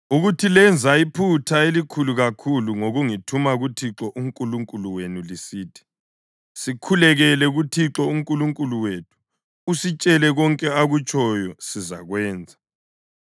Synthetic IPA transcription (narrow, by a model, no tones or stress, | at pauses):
uɣutʰilɛnd͡zʱaipʰutʰaelikʰuluɣakʰuluŋoɣuŋitʰumaɣutʰiǁɔʔuŋkʼuluŋkʼuluwenulisiːtʰi̥ | sikʰulɛɣɛlɛɣutʰiǁɔuŋkʼuluŋkʼuluwetʰu̥ː | sit͡ʃʼɛlɛɣɔŋkʼɛaɣut͡ʃʰɔjɔsiza̰ɣwɛːnd͡zʱa